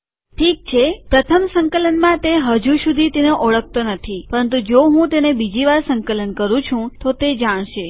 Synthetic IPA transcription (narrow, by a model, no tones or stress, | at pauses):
ʈʰik̚t͡ʃʰepɾət̪ʰəmsəŋkələnmãt̪eɦəd͡ʒuʃud̪ʱit̪enoʔɔɭək̚t̪onət̪ʰipəɾənt̪ud͡ʒoɦũt̪enebid͡ʒiʋaɾsəŋkələnkəɾũt͡ʃʰũt̪ot̪ed͡ʒaɽ̃ʃe